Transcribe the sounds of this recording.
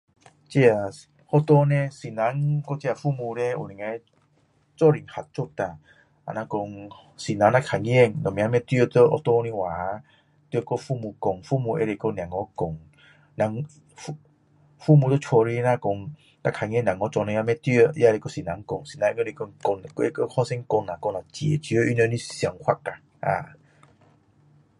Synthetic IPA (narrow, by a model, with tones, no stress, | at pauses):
t͡ɕi˦a˨ | hɔ˦t̪ɔ˦nẽ˦si˨nã˨˦ŋkɔ˦t͡ɕi˦˧a˨fu˦˧˨mũ˧ɾe˦ṵ˨nĩ˨ŋe˧˦ | t͡sɔ˦˨ɾi˨˩ŋha˨t̚t͡so˦˧t̪a˨ | a̰˨nã˧kɔ˧ŋ | si˨nã˨˧˦na˦˧kʰa˨ŋ˦e˥˧ŋnɔ˨mĩ˨˦a˦mɛ̃˦t̪ɥə˦˧t͡sə˦ɔ˧˦t̪ɔ˦˧nĩ˦waː˨˦ | t̪wə˦˧kɔ˦˧fu˧˨mũ˧kɔ˨ŋfu˦˨mũ˧ʔḛ˦ɾe˧˨kɔ˦n˨ã˨ŋɔ˦kɔ˨ŋ | na˨˦ŋ | fu | fu˦˧˨mũ˧t͡so˦t͡ʃʰo˧ɾi˦nã˦˧kɔ˧ŋ | nã˦˧kʰa˨ŋẽ˦˨nã˨ŋɔ˦t͡sɔ˧nẽ˧a˦˧˦mɛ̃˦t̪ji˦ə˦˧ja˦˧ɾe˧ko˥˦si˨˩nã˨˦ŋkɔ˧˩ŋsi˨nã˧˦˧ko˦˧ɾi˧ko˧ŋkɔ˧n˨ke˦ko˦hɔ˦˧sɛ˦ŋkɔ˧nːa˨kɔ˧ŋna˨t͡ɕe˨˩t͡ɕi˧˦ə˦ʔy˦nə˧˦nĩ˦˨sja˧ŋhʷwa˦˩t̚ka˨˩ | ʔa̰˨